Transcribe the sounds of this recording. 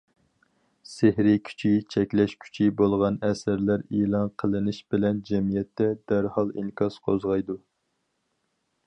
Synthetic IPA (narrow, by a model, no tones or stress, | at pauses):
sehɾɪkʲʰy̥t͡ʃʰit͡ʃʰɛkʲlɛʃkʲʰy̥t͡ʃʰibolˠʁɑnɛsɨɾlæɾelˠɑnqʰəlˠɨnɪʃbɪlɛnd͡ʒɛmijɛt̪ʰːɛd̪æɾhɑlˠḭŋkʰɑsqʰozʁɑjd̪u